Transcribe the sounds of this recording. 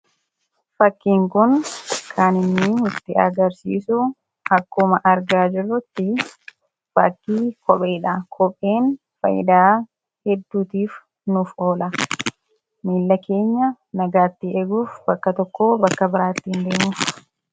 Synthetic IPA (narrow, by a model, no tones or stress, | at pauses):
fɐkːiːŋkʊnkʰaːnɪnːɪʊt̪ːɪʔɐ̰ɡɐɾsḭːsʊ | ɐkːʊmɐʔɐɾɡaːd͡ʒɪrːɐt̪ːɪ | fɐkːiːkʰɔpʼeːᶑakʰɔpʼe̞ːn | fɐ̰jɪ̰d̪aː | hɛd̪ːuːt̪iːf | nʊfo̞ːlɐ | miːlːɐke̞ːɲːɐ | nɐɡaːt̪ːɪɛɡuːfbɐkːɐt̪ɔkːoːbɐkːɐbɪɾaːt̪ːiːnd̪eːmuːf